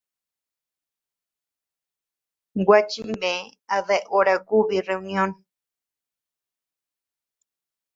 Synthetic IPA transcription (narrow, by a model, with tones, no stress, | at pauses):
ɡwa˦t͡ʃi˦mbẽ˨˦a˧ðe˦ʔʔo˦ɾa˧ku˦βi˧˨re˧u˧nj̃õ˦n